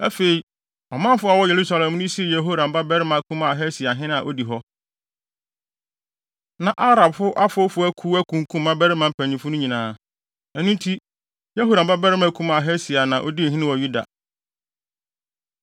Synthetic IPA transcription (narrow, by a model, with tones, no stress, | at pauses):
æ˦fe˨i˨ | ɔ˨mã˦m˦fʊ˦a˨wɔ˦je˨ɾu˦sa˨lɛ˨m˦nʊ̃˦si˦e˨jɛ˨ɦo˦ɾã˨m̩˨ba˦bæ˦ɾɪ˦mã˨˦kʰũ˦ma˨ɦɛ˦si˨a˨ɦɪ̃˦ñ˦ã˨ʔo˦di˨ɦɔ˦ | nã˨ʔa˦ɾa˨bfʊ˦ʔa˦fʊ˦fʊ˨˦æ˦kʰuː˦æ˦kʰũ˨ŋ˨kʰũ˦m˦mã˦bæ˦ɾɪ˦mã˨m̩˦pʰæ̃˨ɲĩ˨fʊ˦nʊ̃˦ɲĩ˨nãː˨˦ | ɛ˨nũ˦n˦tʰi˦ | jɛ˦ɦo˦ɾa˨ba˦bæ˦ɾɪ˦mæ˦˨kʰũ˦ma˦˨ɦɛ˦si˨a˨nã˨ʔo̰˦di˦˨ɦɪ̃˦nɪ̃˦wɔ˨ju˦da̰˨